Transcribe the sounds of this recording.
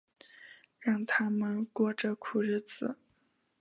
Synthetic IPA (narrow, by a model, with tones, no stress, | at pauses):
ɻɑ˥˧ŋt̪ʰa˥mə˨nkwɔ˥˩ʈ͡ʂə˨˩kʰu˨˩ɻ̩˥˩t͡sɹ̩˨˩˦